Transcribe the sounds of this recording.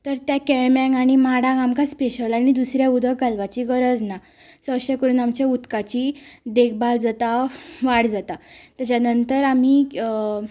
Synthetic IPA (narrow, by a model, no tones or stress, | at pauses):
t̪əɾt̪jakɛɭmjãŋɡaɽ̃imaɽãamkaspeɕəlaɽ̃id̪usɾjaud̪ʱəɡalʋat͡ɕiɡəɾəd͡zna | səɕakəɾuːnamt͡ɕaut̪kat͡ɕid̪ek̚ʰbald͡zat̪aʋaɽd͡zat̪at̪jat͡ɕanənt̪əɾam̤i